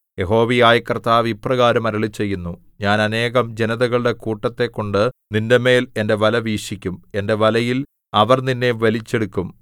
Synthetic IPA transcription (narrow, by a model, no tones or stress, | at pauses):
je̞ɦo̞ːʋijaːjɐkːɐrt̪aːʋipːrɐɣaːɾɐmɐɾɐɭit͡ɕːe̞jːunːu | ɲaːnɐne̞ːɣɐmd͡ʑe̞nɐðɐɣɐɭɨɽe̞kuːʈːɐt̪ːe̞kːo̞ɳɖɨninde̞me̞ːle̞nde̞ʋɐlɐʋiːʂikʲːume̞nde̞ʋɐlɐjil | ɐʋɐrninːe̞ʋɐlit͡ɕːe̞ɽukːum